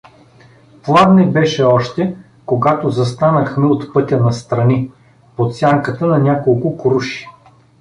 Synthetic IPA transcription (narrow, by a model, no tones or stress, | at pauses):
plˠad̪nɛbɛʃɛɔʃt̪ɛ | koɡat̪ozɐst̪anəxmɛot̪pɤt̪ʲɐnɐst̪ɾɐni | pot̪sʲjaŋkət̪ənɐnʲakolˠkʊkɾuʃi̥